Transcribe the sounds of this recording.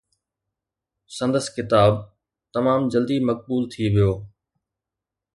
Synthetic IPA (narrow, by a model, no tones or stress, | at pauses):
sɐ̃nd̪əskɪt̪aːb̚ | t̪ɐmaːmd͡ʑɐld̪imɐk̚buːlt̪ʰiʋijoː